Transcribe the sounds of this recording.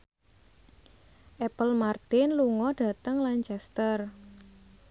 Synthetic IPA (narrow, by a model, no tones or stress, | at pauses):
ʔɛpəlmart̪ɪnluŋɔɖ̥ä̤t̪əŋlaɲt͡ʃɛst̪ər